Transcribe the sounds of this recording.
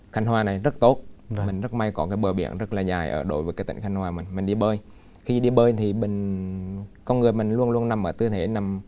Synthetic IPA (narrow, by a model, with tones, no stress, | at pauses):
xa˨˧˦jŋ̟hwaː˨˩na˨˩jzə˦˥t̚t̪o˦˥t̚mï˨˩ŋ̟zə˦˥t̚ma˧jkɔ˨˦kaː˨˦jɓəː˨˩ɓḭ˧˩ənzə˦˥t̚laː˨˩zaː˨˩jʔə̰ː˧˩ɗo̰˨˦jvəː˨˦jkaː˨˦jt̪ḭ˧˨ŋ̟xa˧jŋ̟hwaː˨˩mï˨˩ŋ̟mï˨˩ŋ̟ɗi˧ɓəː˧j | xi˧ɗi˧ɓəː˧jt̪ʰi˨˩ɓï˨˩ŋ̟ | kɔ˧nŋɨ˨˩əjmï˨˩ŋ̟lu˧ənlu˧ənna˨˩mʔəː˧˩t̪ɨ˧t̪ʰe˧˨˦na˨˩m